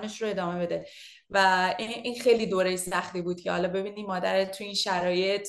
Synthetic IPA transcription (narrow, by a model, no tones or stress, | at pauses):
ne̞ʃɾoe̞d̪ɒːme̞be̞d̪e̞ | væiiːnxejliːd̪oːɾejsæxt̪iːbuːd̪̥̚cʰḛhɒ̰lɒːbe̞biːniːmɒːd̪æ̰ɾet̪ʰːujiːnʃæɾɒːje̞t̪ʰ